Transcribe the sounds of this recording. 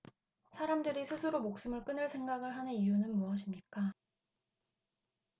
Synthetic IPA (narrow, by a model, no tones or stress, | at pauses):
sʰaɾamdɯɾisʰɯsʰɯɾomok̚s͈ɯmɯɭk͈ɯnɯɭsʰe̞ŋɡaɡɯɭɦanɯijunɯnmuʌɕʰimɲik͈a